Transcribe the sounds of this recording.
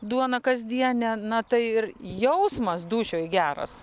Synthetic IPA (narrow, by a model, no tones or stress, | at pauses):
d̪uɔnɐkɐzʲd̪ʲiɛnʲɛnɐt̪ɐɪɪrjɛʊsmɐsd̪uːʃʲoːjɡʲæːɾɐ̰s